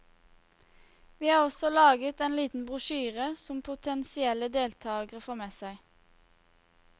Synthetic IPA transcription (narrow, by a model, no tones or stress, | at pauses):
ʋiːɑːʁɔsɔlɑːɡət̪eːnliːt̪n̩bʁʊʃyːʁəsɔmpʰʊt̪ʰɛnsɪɛləd̪eːlt̪ʰɑːɡəʁəfoːʁmeːsæɪ